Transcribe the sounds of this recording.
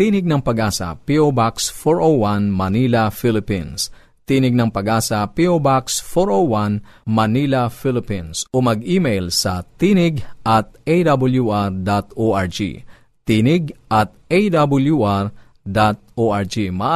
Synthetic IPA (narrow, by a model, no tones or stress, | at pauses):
t̪inɪɡ̚nɐŋpɐɡaːsɐ̰piobaksfoɹʔowwanmɐnilɐfɪlɪpins | t̪iːnɪɡ̚nɐŋpɐɡaːsɐpiobaksfoɹowanmɐnilɐfilɪpinsomɐɡimejlsɐt̪iːnɪɡʔɐt̪̚ʔejd̪abʊljuʔaɹd̪at̪oʔaɹd͡ʒḭ | t̪iːnɪɡ̚ʔɐt̪̚ʔejd̪abɐljuʔaɹ | d̪at̪̚oʔaɹd͡ʒimɐʔ